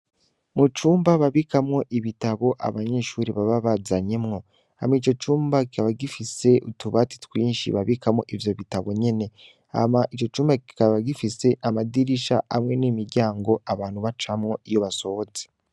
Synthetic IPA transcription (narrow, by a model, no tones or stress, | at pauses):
mut͡ʃuːmbaβaβikamŋo̞ʔiβitaβo̞ʔa̰βaɲe̞ʃuːɾiβaβaβazaɲemŋo̞ | ha̰mit͡ʃo̞t͡ʃuːmbakikaβaɡifise̞ʔutuβati̥twiːnʃḭβaβikamŋo̞ʔivjo̞βitaβo̞ɲe̞ne̞ | a̰maʔit͡ʃo̞t͡ʃuːmbaki̥kaβaɡifise̞ʔamadiɾiʃa̰a̰mŋe̞nimiɾɟaːŋɡo̞ʔaβaːnhuβat͡ʃamŋo̞ijo̞βaso̞hoze̥